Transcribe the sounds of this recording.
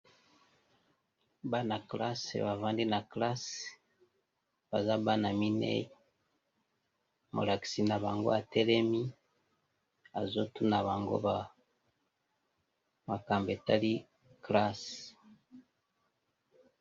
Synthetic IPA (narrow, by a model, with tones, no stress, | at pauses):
ba˦na˨kla˦sḛ˨βa˨va˦ndi˦na˨kla˦s | ba˨za˦ba˦na˨mi˦nḛ˦i˦ | mo̰˨la˨ki̥˨si˨na˨βa˨ŋɡo˦a˨te˦le˦mi˦ | a˨zo˦tu˦na˨βa˨ŋɡo̰˦βa˨ | ma˨ka˨mbe˨ta˦li˦ | kla˦s